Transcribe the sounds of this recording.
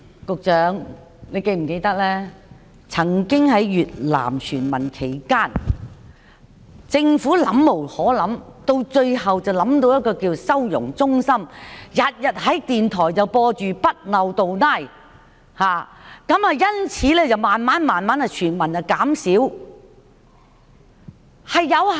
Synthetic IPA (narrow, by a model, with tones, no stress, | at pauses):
kʊ˨k̚t͡ʃœː˨˧˥ŋ | ne˨˧jke˧jm̩˨˩ke˧jt̪ɐ˥k̚lɛː˥ | t͡sʰɐ˨˩ŋkɪ˥ŋhɐ˨˧jɥyː˨t̚la̰ː˨˩mt͡ʃʰyː˨˩nmɐ˨˩nkʰe˨˩jkaː˥n | t͡sɪ˧ŋfuː˨˥lɐ˨˧˥mːo˨˩whɔː˨˥lɐ˨˥mt̪o˧wt͡ʃɵ˧ɥɦɐ˨wt͡sɐ˨wlɐ˨˥mt̪o˧wjɐ˥t̚kɔː˧kiː˧wsɐ˥wjʊ̰˨˩ŋt͡sʊ˥ŋsɐ˥mjɐ˨t̚jɐ˨t̚hɐ˨˥jt̪iː˨nt̪ʰɔː˨˩jt͡sɐ˨wpɔː˧t͡ʃyː˨pɐ˥t̚lɐ˨wt̪o˨wnaː˥˩j | haː˨˩kɐ˨˥mɐ˨˧jɐ˥nt͡sʰiː˨˥lɛː˥t͡sɐ˨˩wmaː˨nmaː˨˥nmaː˨nmaː˨˥nhɐ˨˩jt͡ʃʰyː˨˩nmɐ˨˩nɐ˨˩kaː˨˥msiː˨˥w | hɐ˨jːɐ˨˧w